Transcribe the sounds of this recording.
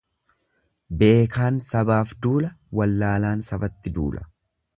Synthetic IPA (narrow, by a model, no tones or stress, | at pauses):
be̞ːkaːnsɐbaːfd̪uːlɐwɐlːaːlaːnsɐbɐt̪ːɪd̪ṵːlʔɐ̥